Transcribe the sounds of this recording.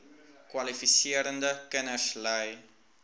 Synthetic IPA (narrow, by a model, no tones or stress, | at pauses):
kwalifisiəɾəndəkənəsləj